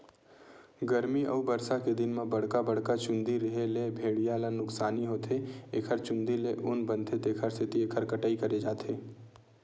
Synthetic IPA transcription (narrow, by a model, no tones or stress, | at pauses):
ɡəɾmiʔə̰ubəɾsaked̪ɪnmẽbɐɽ̤kabəɽ̤kat͡ʃʊ̃nd̪iɾəɦelebʱeːɽijalanʊksaːniɦoːt̪ʰeeːkʰəɾt͡ʃʊ̃nd̪ileʔʊnbə̃nt̪ʰet̪eːkʰəɾsʰɪt̪ieːkʰəɾkəʈaːikɐɾed͡ʒaːt̪ʰeː